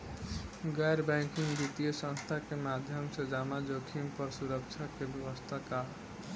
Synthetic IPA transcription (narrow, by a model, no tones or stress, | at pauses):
ɡajɾbaŋkiŋd̪it̪ijosʌ̃ŋst̪ʰakemad̪ʱjʌmsʌd͡ʒamad͡ʒokʰimpʌsuɾʌk̚t͡ʃʰakebjebʌst̪ʰaka